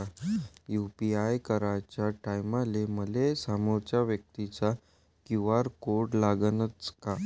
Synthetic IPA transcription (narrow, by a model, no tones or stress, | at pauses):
jupiajkəɾat͡ɕjaʈajmaleməlesamoɾt͡ɕaʋjək̚t̪it͡sa | kuʋaɾkoɾɽlaɡənət͡ska